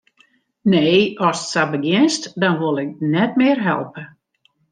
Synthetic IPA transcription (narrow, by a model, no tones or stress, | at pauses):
neːɔssabəɡjɪnstdɔnʋolˠɪk̚nɛt̚mɪərɦɛ̰lˠpə